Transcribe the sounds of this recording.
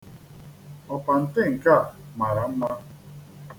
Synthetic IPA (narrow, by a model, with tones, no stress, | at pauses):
ɔ˨pa˨n̩˨tɪ˦ŋ̩˨ka˦˨ma˨ɾa˨m̩˦ma˦